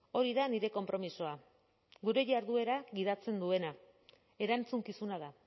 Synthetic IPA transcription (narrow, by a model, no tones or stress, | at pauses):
o̞ɾiðaniɾe̞ko̞mpɾo̞miso̞a | ɡuɾe̞ʝaɾðue̞ɾaɣið̞at͡se̞nd̪ue̞na | e̞ɾant͡suŋkisunað̞a